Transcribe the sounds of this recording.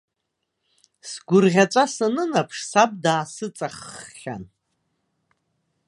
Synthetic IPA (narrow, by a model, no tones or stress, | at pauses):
sɡʷʊrʁʲat͡ʃʷʼasanɨnapʰʂsab̚daːsɨt͡sʼaχːʲa̰n